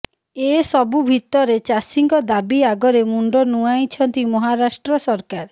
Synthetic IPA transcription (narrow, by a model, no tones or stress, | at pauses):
esɔbubʱit̪ɔɾet͡ʃasiŋɡɔd̪abiaɡɔɾemuɳɖɔnuajt͡ʃʰɔnt̪imɔɦaɾasʈɾɔsɔɾkaɾ